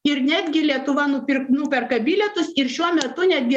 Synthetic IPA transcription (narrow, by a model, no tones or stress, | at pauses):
ɪɾnʲæːd̪ʲɡʲɪlʲiɛt̪ʊʋɐnʊpʲɪɾknʊpʲɛɾkɐbʲɪlʲɛt̪ʊsɪɾʃʲuɔmʲɛt̪ʊnʲæd̪ʲɡʲɪ